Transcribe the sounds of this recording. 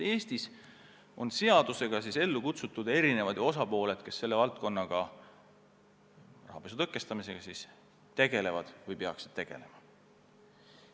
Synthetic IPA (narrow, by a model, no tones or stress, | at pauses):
e̞ːst̪is | o̞nse̞ɑd̪̥use̞ɡ̥ɑsise̞lːukut̪sut̪ːˑud̪̥e̞ɾine̞vɑd̪̥jo̞sɑpo̞ːle̞d̪̥ke̞sːe̞lːe̞vɑlt̪̚ko̞nːɑɡ̥ɑ | rɑ̰ɦːb̥esut̪ɤkːˑe̞st̪ɑmise̞ɡ̥ɑsis | t̪e̞ɡ̥e̞le̞vɑd̪̥vɯjpe̞ɑksid̪̥̚t̪e̞ɡ̥e̞̰lemɑ